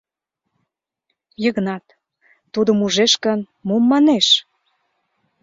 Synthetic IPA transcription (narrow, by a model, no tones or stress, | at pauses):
jəɣnɑt̪ː | ud̪əmuʒeʃkən | momːɑneʃ